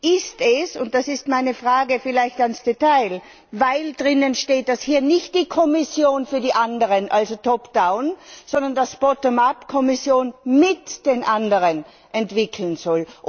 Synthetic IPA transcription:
ʔɪstɛsʊ̰nt̚d̥asɪstmaɪnəfʁ̥aːɡəfɪlaɪçtansd̥etaɪl | vaɪldʁɪnənʃteːt̚d̥ashiːɐnɪçt̚d̥iːkʰɔmɪsjoːnfyːɐdiːʔandəʁənʔalzotʰɔpd̥aʊnzɔndɐndasb̥ɔtəmapkʰɔmɪsjoːnmɪtd̥eːnʔandəʁən | ʔɛntv̥ɪkʰl̩nzɔl

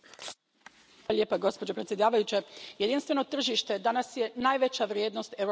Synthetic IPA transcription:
aljeːpaɡo̞spod͡ʑo̞pɾet̪sʲjed̪aːʋajut͡ɕeje̞d̪inst̪ʋe̞no̞t̪r̩ʒiʃt̪e̞d̪anasje̞naːjʋe̞t͡ɕaʋɾje̞ːd̪no̞st̪eɾ

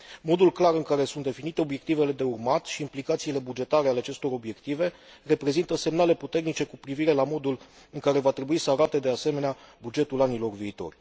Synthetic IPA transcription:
mo̞d̪ulklaɾɨŋkaɾe̞sunt̪d̪e̞finit̪e̞o̞bje̞k̚t̪ive̞le̞d̪e̞urmat̪ʃiːmplikat̪siːle̞bud͡ʒe̞t̪aɾeale̞at͡ʃe̞st̪o̞ɾo̞bje̞kt̪ive̞ | re̞pɾe̞zint̪əse̞mnale̞put̪e̞rnit͡ʃe̞kupɾiviɾe̞lamo̞d̪ul | ɨŋkaɾe̞vat̪ɾe̞buisəaɾat̪e̞d̪e̞ase̞me̞neabud͡ʒe̞t̪ulanilo̞rviːt̪o̞̰rʲ

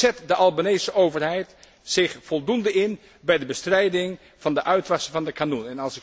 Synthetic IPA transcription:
ɛtdəʔɑlˠbanejsəʔowvəɹɦɛjt | sɪχfɔlˠdundəɪn | bɛjdəbəstrɛjdɪŋ | v̥ɑndəʔœɥtʋɑsəvɑndəkanunɛnɑlˠsɪk

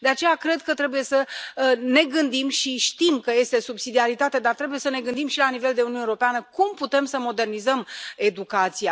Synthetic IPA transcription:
d̪e̞at͡ʃe̞jakɾe̞d̪̚kət̪ɾe̞buje̞səne̞ɡɨnd̪imʃiʃt̪imkəje̞st̪e̞subsid̪iaɾit̪at̪ed̪art̪ɾe̞bujesəne̞ɡɨnd̪imʃilanive̞ld̪e̞ununeoɾopeanəkumput̪e̞msəmo̞d̪e̞rnizəme̞d̪ukat̪sija

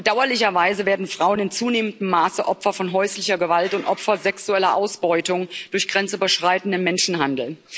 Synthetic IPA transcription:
b̥əd̥aʊɐlɪçɐvaɪzəveːɐdn̩fʁ̥aʊənɪnt͡suːneːməndm̩ːaːsəʔɔpfɐfɔnɦɔʏslɪçɐɡəvaltʊntʔɔpfɐzɛksuɛlɐʔaʊsb̥ɔʏtʊŋd̥ʊɐçɡ̥ʁɛnt͡sʔyːbɐʃʁ̥aɪtn̩dəmɛnʃn̩ɦandl̩

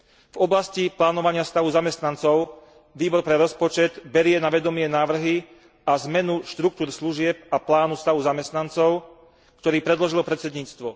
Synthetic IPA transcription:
vɔblasciplaːnɔʋaɲɪast̪aʋuzamɛst̪nant͡sɔʊ | ʋiːbɔɾpɾɛɾɔspɔt͡ʃɛd̪bɛɾɪɛnaʋɛd̪ɔmɪɛnaːʋr̩ɦi | azmɛnuʃt̪ɾuk̚t̪uːɾsluʒɪɛp̚aplaːnust̪aʋuzamɛst̪nant͡sɔʊ | kt̪ɔɾiːpɾɛd̪lɔʒilɔpɾɛt̪t͡sɛd̪ɲiːt͡st̪ʋɔ

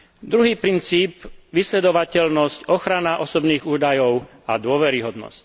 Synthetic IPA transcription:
d̪ɾuɦiːpɾint͡siːpʋislɛd̪ɔʋacɛlnɔscɔxɾanaʔɔsɔbniːɣuːd̪ajɔʊ | ad̪ʊɔʋɛɾiɦɔd̪nɔ̰sc

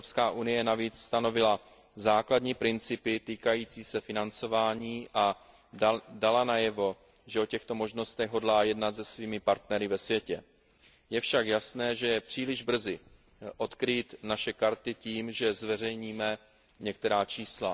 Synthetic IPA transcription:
ɾopskaːʔunɪjɛnaviːt͡sst̪ano̞vɪla | zaːkladɲiːpɾɪnt͡sɪpɪt̪iːkajiːt͡siːsɛfɪnant͡so̞vaːɲiːʔa | dalanajɛvo̞ | ʒɛʔo̞cɛxt̪o̞mo̞ʒno̞st̪ɛɣɦo̞dlaːjɛdnat̪zɛsviːmɪpaɾt̪nɛɾɪvɛsvjɛcɛ | jɛfʃakjasnɛːʒɛjɛpr̝̥iːlɪʒbr̩zɪ | ʔo̞t̪kɾiːt̪naʃɛkaɾt̪ɪciːmʒɛzvɛr̝ɛjɲiːmɛ | ɲɛk̚t̪ɛɾaːt͡ʃiːsla

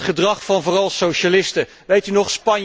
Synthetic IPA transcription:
tχədrɑχfɑnvʊːrɑlˠsowʃalɪstə | ʋejtynɔχspɑn

